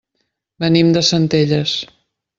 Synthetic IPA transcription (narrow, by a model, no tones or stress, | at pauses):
bənimd̪əsənt̪eʎəs